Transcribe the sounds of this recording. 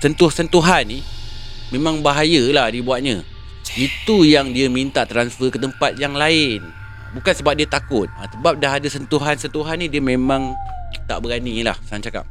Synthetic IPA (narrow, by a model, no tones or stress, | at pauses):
sənt̪ʊhsənt̪uɦanːimẽmãŋbaɦajəlahdibuat̪̚ɲã | it̪ujaŋdiamint̪aʔt̪ɾansfəkət̪əmpat̪̚jaŋlaɪn | bukansəbap̚diat̪akʊt̪̚asəbap̚daɦadasənt̪uɦansənt̪uɦanːidiamẽmãŋt̪a̰ʔbəɾanila̰hsaɦant͡ʃaka̰p̚